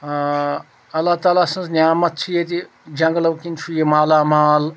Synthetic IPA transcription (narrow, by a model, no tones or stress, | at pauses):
ɐlːaːt̪aːlaːsɐ̃nznʲjaːmɐt̪̚t͡ʃʰijet̪i | d͡ʒɐŋɡlɐwkint͡ʃʰujemaːlaːmaːl